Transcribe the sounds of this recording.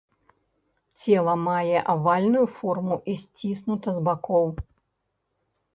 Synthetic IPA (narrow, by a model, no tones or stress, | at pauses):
t͡sʲɛlˠɐmajɛʔavalʲnujufɔrmuʔisʲt͡sʲisnut̪ɐzbakɔw